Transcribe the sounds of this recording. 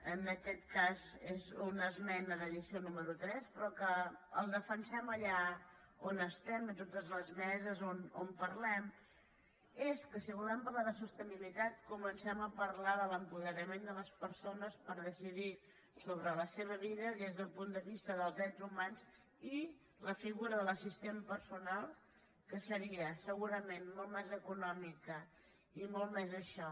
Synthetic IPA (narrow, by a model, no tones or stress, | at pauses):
ənəkɛt̪̚kazezunəzmɛnəðəðisionuməɾut̪ɾɛspɾɔkəːlˠd̪əfənsɛməʎa | onəst̪ɛmənt̪̬ot̪əzləzmɛzəzono̰mpəɾlɛm | eskəsiβ̞ulɛmpəɾlaðəsust̪ənilit̪at̪̚kumənsɛməpəɾlaðələmpuðəɾəmend̪ələspəɾsonəspəɾðəsiði | soβɾələseβ̞əβiðəðezðəlˠpund̪əβist̪əðəlˠzðɾɛdzumanz | i | ləfiɣuɾəðələsist̪empəɾsunalˠ | kəsəɾiəsəɣuɾəmenmɔlˠmɛzəkunɔmikə | imolˠmɛzəʃɔ